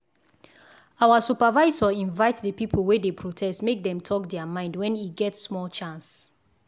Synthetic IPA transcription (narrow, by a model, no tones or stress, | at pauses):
awasupavaɪzɔĩnvaɪtdəpipʰl̩ˠwedepʰɹotʰɛstmek̚dɛ̃mtʰɔk̚dɛamãɪ̃ndwɛ̃niɡɛtsmɔlt͡ʃãns